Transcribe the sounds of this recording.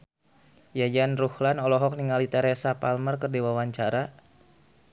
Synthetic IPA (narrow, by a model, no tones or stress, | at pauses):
jad͡ʒanruhlanɔlɔɦɔk̚niŋalit̪ɛɾɛsapalmərkərdiwawaɲt͡ʃaɾa